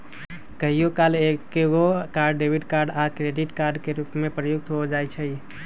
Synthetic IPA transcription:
kəɦijokalekːeɡokaɾɖːebiɖkaɾɖakɾeɖiʈkaɾɖkeɾupmẽpɾəjʊɡ̚t̪ɦod͡ʒajt͡ʃʰɛ

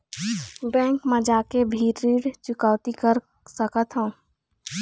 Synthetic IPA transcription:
bɛ̃ːŋkmẽd͡ʒaːkebʱiːɾiːɽt͡ʃʊkawt̪ikəɾ | səkət̪ɦũː

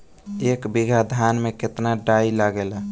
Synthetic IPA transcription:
ekbiɡʱad̪ʱanmeket̪naɖailaɡela

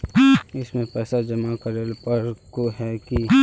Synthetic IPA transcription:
ɪsmẽpɛːsad͡ʒəmakəɾelpəɾkoɦɛki

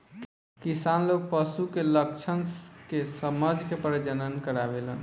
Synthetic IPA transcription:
kisanloɡ̚pəsukelək̚t͡ʃʰənkesəməd͡ʒkepəɾd͡ʒənənkəɾabelən

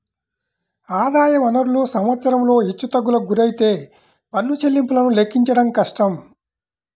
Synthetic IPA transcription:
aːd̪aːjɐʋɐnɐɾuloːsɐmʋɐt̪sɐɾɐmlo̞ːit͡ʃːut̪ɐɡːulɐɡuɾɐjit̪e̞ː | pɐnːut͡ʃe̞lːimpulɐnule̞kːiɲt͡ʃɐɽɐmkɐʂʈɐm

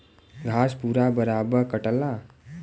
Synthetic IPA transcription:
ɡʱaːspuːɾabəɾaːbəɾkəʈəlːa

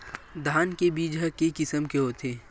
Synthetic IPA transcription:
d̪ʱaːnkebiːd͡ʒʱakekɪsəmkeɦoːt̪ʰeː

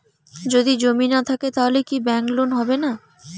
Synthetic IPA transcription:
d͡ʑod̪id͡ʑominat̪ʰaket̪aɦolekibɛŋklonɦɔbena

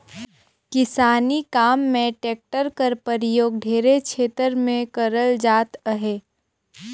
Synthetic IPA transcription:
kɪsaːnikaːmːẽʈeːk̚ʈəɾkəɾpəɾɪjoːɡ̚ɖʱeːɾekʃʰeːt̪əɾmẽkəɾəld͡ʒaːt̪əɦeː

